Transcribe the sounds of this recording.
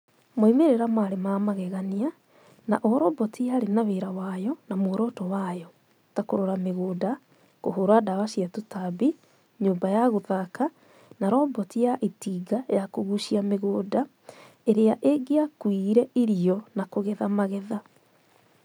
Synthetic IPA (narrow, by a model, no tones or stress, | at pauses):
moimeɾeɾamaɾemamaɣɛɣania | naʔɔɾɔːmbɔtijaɾenaβeɾawajɔnamoːɾɔːtɔwajɔ | takoɾoɾameɣoːda | koɦoɾadaβaɕiatutabi | ɲoːmbajaɣoðaka | naɾɔbɔtijaʔitiːɡajakoɣuʃiameɣoːda | eɾeaʔeɡeakwiɾɛʔiɾiɔnakoɣɛðamaɣɛða